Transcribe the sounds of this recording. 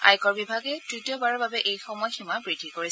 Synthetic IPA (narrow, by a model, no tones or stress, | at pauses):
a̰jkɔɹbibʱaɡɛtɹitjɔbaɹɔbabɛʔejxɔmɔjximabɹidʱikoɹis